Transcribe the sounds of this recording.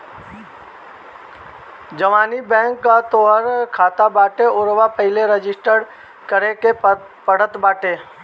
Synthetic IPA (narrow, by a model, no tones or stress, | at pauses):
d͡ʒəʋaːnibɛ̃ːŋkːat̪oːɦəɾkʰaːt̪abaːʈeʊɾʋapəɦɪleɾəd͡ʒɪsʈəɾ | kəɾeke | pəɽət̪baːʈeː